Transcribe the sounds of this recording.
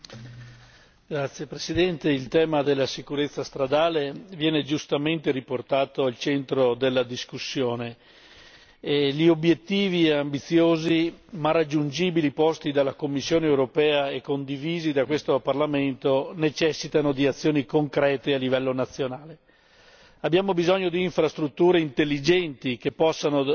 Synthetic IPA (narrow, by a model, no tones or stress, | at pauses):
ɡ̥ɾat̪sːjepɾesid̪ɛnt̪eilt̪ɛːmad̪elːasikuɾet̪sːast̪ɾad̪aːlevjɛːned͡ʒust̪ament̪eɾiport̪aːt̪oalt͡ʃɛnt̪ɾod̪elːad̪iskusːjoːne | ʎiobjet̪ːiːviambit̪sːjoːzimarad͡ʒːund͡ʒiːbilipɔst̪id̪alːakomːisːjoːneːwɾopɛːaekːond̪iviːzid̪akwest̪oparlament̪onet͡ʃɛsːit̪anod̪iat̪sːjoːnikoŋkɾɛːt̪ealːivɛlːonat̪sːjonaːle | abːjaːmobizɔɲːod̪iːɱfɾast̪ɾut̪ːuːɾeint̪elːid͡ʒɛnt̪ikepːɔsːano